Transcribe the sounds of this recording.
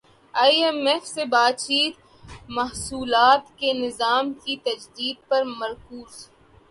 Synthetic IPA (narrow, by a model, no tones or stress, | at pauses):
aːiɛmefsebaːt̪̚t͡ʃiːt̪ | mɐɦsuːlaːt̪kenɪzaːmkit̪ɐd͡ʒd̪iːd̪̚pɐɾmɐɾkuːz̥